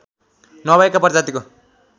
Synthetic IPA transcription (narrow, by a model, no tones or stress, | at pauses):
nʌbaekapʌrd͡zat̪iko